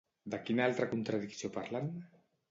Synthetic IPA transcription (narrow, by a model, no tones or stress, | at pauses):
d̪akinaalˠt̪ɾakunt̪ɾaðiksiopaɾlan